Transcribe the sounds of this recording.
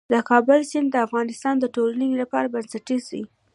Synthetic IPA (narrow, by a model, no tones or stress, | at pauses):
d̪əkɑbʊlsɪnd̪əafɣɑnɪst̪ɑnd̪əʈolniŋɡlapɑɾabansaʈisi